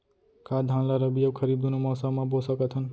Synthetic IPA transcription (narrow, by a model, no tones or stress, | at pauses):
kad̪ʱãnlaɾʌbijob̚kʰʌɾib̚d̪unomʌsamãbosʌket̪ʰʌn